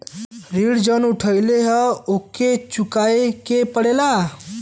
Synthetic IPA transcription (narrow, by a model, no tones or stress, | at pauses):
ɾiɽd͡ʒənuʈʰəjleɦəoket͡ʃukaekepəɽela